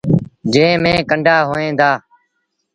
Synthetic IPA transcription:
d͡ʒẽːmẽːkəɳɖʱaːɦoːẽːd̪aː

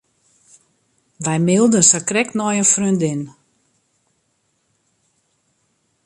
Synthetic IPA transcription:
ʋɛjmɪlˠdənsakrɛknɔjənfrøndɪn

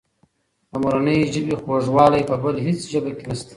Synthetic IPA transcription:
amuɾanəjʒəbixoʐwɑlajpəbəlɦet͡sʒəbakenast̪ḁ

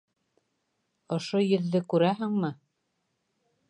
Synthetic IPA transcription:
ŏʃojɵ̆ðːɘkʉɾæɦɘ̆ŋmɘ

